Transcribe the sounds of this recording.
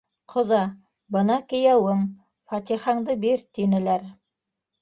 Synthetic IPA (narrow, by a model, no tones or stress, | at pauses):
qʰŏðɑ | bɤ̆nɑkɘ̆jæwɘŋ | fɑt̪iχɑɴd̪ɤbiɾt̪inɘ̆læɾ